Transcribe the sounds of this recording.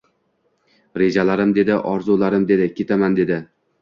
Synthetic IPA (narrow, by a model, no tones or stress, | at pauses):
ɾe̞d͡ʒalaɾɪmd̪e̞d̪ɪʔɒɾzulaɾɪmd̪e̞d̪ɪkʲʰe̞t̪ʰamand̪e̞d̪ɪ